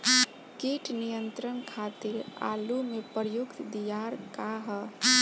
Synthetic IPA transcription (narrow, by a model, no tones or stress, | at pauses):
keʈʰnijənt̪ɾənkʰat̪iɾa̰lumepəɾjʊkt̪d̪ijaɾkaɦə